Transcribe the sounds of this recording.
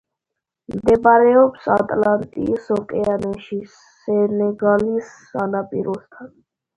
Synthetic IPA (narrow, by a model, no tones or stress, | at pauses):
md̪ɛbaɾɛɔpsat̪ʼlant̪ʼḭsɔkʼɛanɛʃi | ɛnɛɡalisːanapʼḭɾɔst̪ʰan